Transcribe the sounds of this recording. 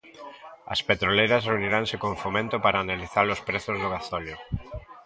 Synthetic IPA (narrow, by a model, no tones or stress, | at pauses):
ɐ̰spet̪ɾolejɾɐsreuniɾaŋsɪkoɱfomẽnt̪ʊpaɾaːnaliθalʊspɾeθʊzðʊɣ̞aθɔljo